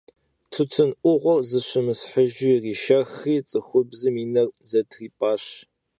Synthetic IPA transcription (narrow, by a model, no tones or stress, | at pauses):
tʰʊtʰɨnʔʷʊʁʷɔrzɨɕɨmɨsħəʒuriːʃɐxiːt͡sʼɨxʷʊbzɨmiːnɐrzɐtʰriːpʼaːɕ